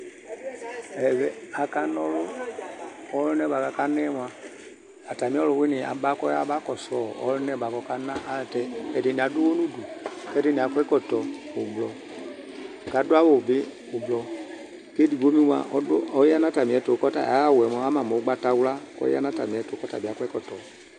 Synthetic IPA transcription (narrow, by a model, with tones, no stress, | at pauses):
ɛ˨vɛ˨a˨ka˧nɔ˧lo˦ | ɔ˨˦lu˦nɛ˦˨ba˨ka˨˧ka˧nɛ˦m˨a˨ | a˨ta˨mĩ˦ɔ˦lu˧˨wi˦ni˨a̰˨ba˦kɔ˦ja˦ba˦kɔ˨sɔ˨ɔ̰˨˦lu˦nɛ˦˨ba˨kɔ˧ka˧na˦a˦ltɛ˧ɛ˨de˨ni˨a˨˦du˦wo˦nu˦du˨kɛ˦de˦ni˨a˨kʷɛ˦kɔ˦˨tɔ˨o˨blɔ˨ | ka˨˦du˦a˦wo˨bi˦ | o˨blɔ˨ | ke˦di˨bo˨˦mi˦wa̰˧˨ɔ˦ɔ˨˦ja˦na˦ta˨mi˨ɛ˨˦to˨kɔ˦ta̰˨a˨˦a˦˨wɛ˨mɔ˨˦a˦ma˨mo˨˦ɡ͡ba˦ta˧wla˦kɔ̰˦jḭ˦a̰˦na˦ta̰˨mĩ˨ɛ˨˦to˨kɔ˦ta̰˨bi˨a˨˦kʷɛ˦kɔ˦˨tɔ˨